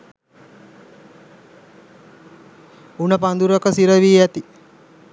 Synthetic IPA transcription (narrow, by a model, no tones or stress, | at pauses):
unəpand̪uɾokəsiɾəʋiːæt̪i